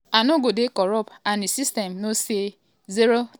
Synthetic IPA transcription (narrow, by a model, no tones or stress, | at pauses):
anoɡodekɔɾɔpanisistɛmnose | ziɾo